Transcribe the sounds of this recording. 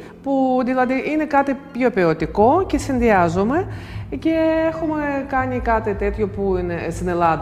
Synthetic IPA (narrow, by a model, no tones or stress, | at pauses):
puðilɐðiʔine̞kɐt̪ipço̞piot̪iko̞ce̞sinðiɐzome̞ce̞exumekɐɲikɐt̪it̪e̞t̪ço̞puinest̪ine̞lɐðɐ